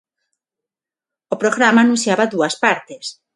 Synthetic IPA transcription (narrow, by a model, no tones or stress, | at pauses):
opɾoɣɾamaːnũnsjaβaðuaspaɾt̪es